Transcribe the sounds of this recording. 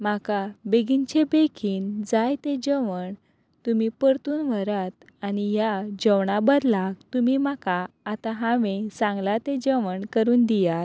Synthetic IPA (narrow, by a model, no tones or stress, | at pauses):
makabeɡiɲt͡ɕebekʰiːnd͡zajt̪ed͡ʑəʋəɳ | t̪umipəɾt̪uːnʋəɾat̪ | anijad͡ʑəwɳabəɾlaɡt̪umimakaː | t̪aɦaʋẽsãŋɡlat̪ed͡ʑəʋəɳkəɾuːnd̪ijat̪